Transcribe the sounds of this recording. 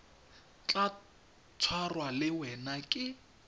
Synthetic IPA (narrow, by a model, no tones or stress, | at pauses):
t͡ɬʼa | t͡sʰwarwalɪwɛnakʼɪ